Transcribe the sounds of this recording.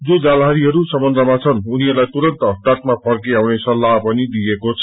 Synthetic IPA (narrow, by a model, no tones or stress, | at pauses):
d͡zod͡zalɦaɾiɦʌɾusʌmʌnd̪ʱʌmat͡sʰʌnuniʌrlajt̪uɾʌnt̪ʌʈaʈmapʰʌrk̬iawnesʌlːaɦpʌnid̪iekot͡sʰʌ